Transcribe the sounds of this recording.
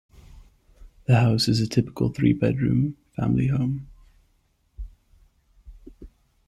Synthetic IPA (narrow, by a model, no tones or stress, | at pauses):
ðəhaʊsɪzətʰɪpɪ̥kə̰lˠθɹḭːbɛ̰dɹʉ̰̃ːmfã̰mliɦõʊ̃m